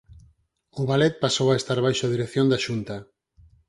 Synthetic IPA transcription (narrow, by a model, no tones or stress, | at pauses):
ʊβalɛt̪̚pasowaest̪aɾβajʃʊaðiɾekθjond̪aʃunt̪a